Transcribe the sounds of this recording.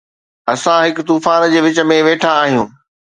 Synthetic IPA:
ɐsãɦɪkʊt̪uːfaːnd͡ʑeːʋɪt͡ɕə̆mẽʋeːʈʰaːɦijũː

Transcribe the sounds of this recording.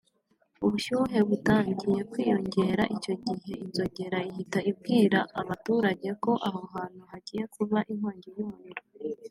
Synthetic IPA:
uβuʃuɦe̞βutaːɲɟije̞kwiːjo̞ɲɟe̞ɾaʔico̞ɟihe̞ʔinzo̞ɟe̞ɾaihitaib̚ɡiːɾaʔːβatuːɾaɟe̞ko̞ʔaɦoɦaːn̥huhaɟiːje̞kuβaʔimoːɲɟijuonɾo

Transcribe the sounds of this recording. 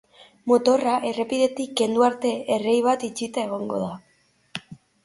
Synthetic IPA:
mo̞t̪o̞raʔe̞re̞piðe̞t̪ikːe̞nd̪uaɾt̪e̞erejβat̪it͡ʃit̪ae̞ɣ̞o̞ŋɡo̞̰ða

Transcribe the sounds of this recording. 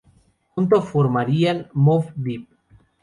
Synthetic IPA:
unt̪̬ofoɾmaɾianmofd̪ip̚

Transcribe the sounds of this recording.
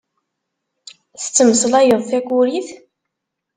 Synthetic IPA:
θə̥t͡sːəməsˤlæjəðˤθækʷːuɾiθ

